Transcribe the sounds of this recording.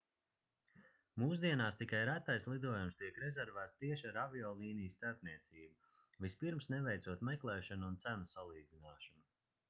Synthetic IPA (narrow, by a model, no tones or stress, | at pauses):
muːs̬d̪iɛnaːst̪ikajɾat̪ːajslˠid̪uɔjumst̪iɛkɾɛzɛɾvæːt̪st̪iɛʃaɾaviɔːlˠiːnijst̪aɾpniɛt̪siːbu | vispiɾmsnɛvɛjt̪suɔt̪mɛklˠɛːʃanunt̪sænɐsalˠiːd̪zinaːʃɔnu